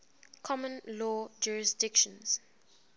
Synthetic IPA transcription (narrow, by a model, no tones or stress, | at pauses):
kʰɔmə̃nlɔːd͡ʒuɹɪsdɪkʃə̃nz̥